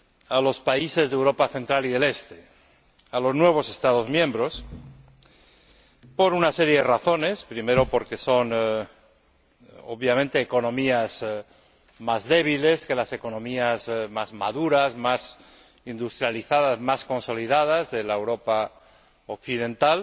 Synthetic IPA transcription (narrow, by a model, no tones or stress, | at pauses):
alo̞spaise̞zðewɾo̞paθent̪ɾaliðe̞le̞st̪e | alo̞znwe̞β̞o̞se̞st̪aðo̞zmjẽ̞mbɾo̞s | po̞ɾunase̞ɾje̞ðeraθo̞ne̞spɾime̞ɾo̞po̞ɾke̞so̞n | oβjamẽnt̪e̞ːko̞nõ̞miaz | mazðe̞β̞ile̞ske̞lase̞ko̞nõ̞miazmazmaðuɾazmas | ind̪ust̪ɾjaliθaðazmasko̞nso̞liðað̞azðe̞laewɾo̞pa | ok̚θiðẽ̞nt̪al